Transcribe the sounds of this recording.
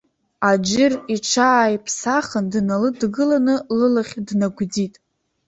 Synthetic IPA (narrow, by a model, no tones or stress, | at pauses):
ad͡ʒɪriʈ͡ʂʰaːjpʰsaχəndnalɨdɡɨlanɨlɨlaχʲdnaɡʷd͡zitʼ